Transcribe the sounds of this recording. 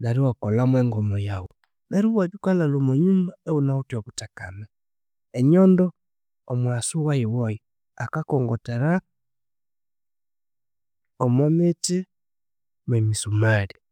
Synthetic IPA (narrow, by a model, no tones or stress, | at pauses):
daɾiwakɔlamwɛŋɡɔmɔjawu | βɛɾuβwaβukalalomɔɲumaɛunautɔβutaka̰na | ɛɲɔndɔː | mwasuwaiwɔji | akakɔŋɡɔteɾa | ɔmɔmeti | mwɛmisumali